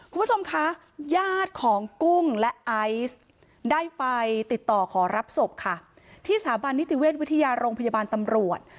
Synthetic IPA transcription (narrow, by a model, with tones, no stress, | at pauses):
kʰu˧mpʰu˥t͡ɕʰo˧mkʰa˦˥ | jaː˥˩t̪̚kʰɔː˩˦ŋku˥˩ŋlɛ˦˥ʔa˦˥js | daː˥˩jpa˧jt̪i˨˩t̪ːɔː˨˩kʰɔː˩˦ɾa˦˥p̚so˨˩p̚kʰa˥˩ | t̪ʰiː˥˩saː˩˦ba˧nːi˦˥t̪i˨˩weː˥˩t̪̚wi˦˥t̪ʰa˧jaː˧ɾoː˧ŋpʰa˧jaː˧baː˧nt̪a˧mɾu˨˩ət̪̚